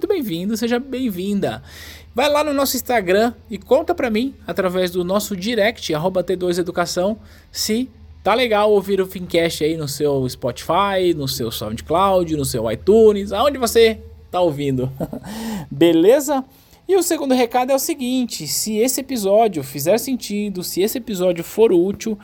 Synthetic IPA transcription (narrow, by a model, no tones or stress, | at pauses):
mũt̪ʊbẽj̃vĩnd̪ʊseʒɐbẽj̃vĩnd̪ɐ | vajlanʊnɔsʊĩst̪aɡɾɐ̃ɪkõnt̪ɐpɾɐmĩat̪ɾavɛzd̪ʊnɔsʊd͡ʒiɾɛkt͡ʃɪaɦobɐt̪ed̪ojzed̪ukasɐ̃w̃ | sɪ | t̪aleɡawowviɾʊfĩkɛst͡ʃɪainʊsewɪspɔt͡ʃi̥fajnʊsḛwsɔ̰ft͡ʃɪ̥klawd͡ʒʊnʊsewa̰jt̪ũnɪsaõd͡ʒɪvose | t̪aowvĩnd̪ʊ | belezɐ | ɪʊseɡũnd̪ʊɦekad̪ʊɛʊsɪɡĩt͡ʃɪsɪesɪepizɔd͡ʒʊfizɛɾsẽnt͡ʃid̪ʊsɪesɪepizɔd͡ʒjʊfoɾut͡ʃiw